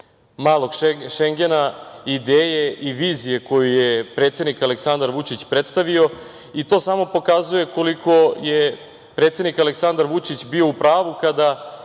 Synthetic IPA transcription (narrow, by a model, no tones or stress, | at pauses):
maːlˠo̞ɡʃeŋɡe̞naid̪eːjeiʋiːzije̞ko̞jujepɾet̪sed̪nikaleksand̪aɾʋut͡ʂit͡ɕpɾe̞t̪st̪aʋio̞ | it̪o̞samo̞po̞kazuje̞ko̞likʰo̞je | pɾet̪se̞d̪nikaleksand̪aɾʋut͡ʂit͡ɕbio̞upɾaːʋukad̪a